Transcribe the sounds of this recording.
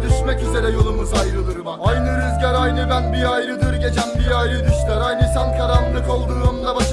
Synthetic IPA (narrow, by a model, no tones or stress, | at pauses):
d̪yʃmɛcyzeɾɛjo̞lˠumɯzajɾɯlˠɯɾɯmaɾajnɯɾyzɟæɾajnɯbænbiajɾɯd̪ɯɾɟe̞t͡ʃʰænbiajɾɯd̪yʃlˠaɾajnɯsankʰaɾamlˠɯko̞lˠd̪uːonunˠabaʃ